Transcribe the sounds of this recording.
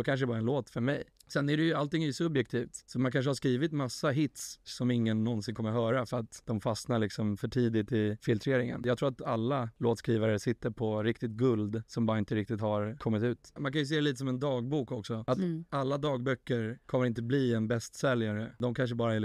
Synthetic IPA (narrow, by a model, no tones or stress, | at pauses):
ɔkʰanʂ̬ədɛbɑːɾaɛnloːt̪fœɾmɛj | sɛnːæɖɛjɵalt̪ɪŋːæɾjʉsɵbjɛk̚t̪ʰiːft̪sɔmankʰanʂəhaʂkɾiːvɪt̪masːaɦɪt̪sːɔmɪŋːənːɔnsɪnkʰɔmːəɾɦœːɾafœɾat̪d̪ɔmfasnaɭɪksɔmfœʈʰiːd̪ɪt̪ɪfɪlt̪ʰɾeːɾɪŋə̰njɑɡt̪ɾuːɾat̪alːaloːt̪skɾiːvaɾəsɪt̪ːəɾpʰɔɾɪkt̪ɪt̪̚ɡɵld̪sɔmbɑːɾaɪnt̪əɾɪk̚t̪ɪt̪haɾkʰɔmːɪt̪ʉ̟ːt̪mankʰanjɵs̬eːdɛliːt̪əsɔmɛnd̪ɑːɡ̚buːkɔksɔat̪alːad̪ɑːɡ̚bœkːəɾkʰɔmːəɾɪnt̪əbliːɛnbɛst̪sɛljaɾəd̪ɔmkʰanʂ̬əbɑːɾaɛl